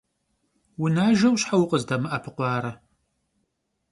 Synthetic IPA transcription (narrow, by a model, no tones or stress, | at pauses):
wʊnaːʒɐwɕħawʊqʼəzdɐmɨʔɐpʰɨqʷɑːɾɐ